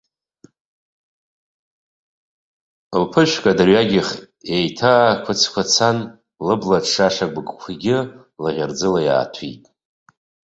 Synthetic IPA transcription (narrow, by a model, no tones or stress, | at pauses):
lpʰɨʃʷkʼadaɥaɡʲɪχ | ejtʰaːkʷʰʊt͡sʰkʷʰat͡sʰan | lɨblaʈ͡ʂʰʂaʂaɡʷɡʼkʷʰiɡʲɪ | laʁʲard͡zɨlaja̰ːtʰḭtʼ